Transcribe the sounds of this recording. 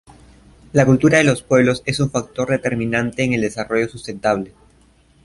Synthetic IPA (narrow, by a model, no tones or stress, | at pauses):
lakult̪uɾaðe̞lo̞spwe̞βlo̞se̞suɱfak̚t̪o̞ɾðe̞t̪e̞ɾmĩnãnt̪e̞ːŋeld̪e̞saro̞ʝo̞sust̪ẽ̞nt̪aβle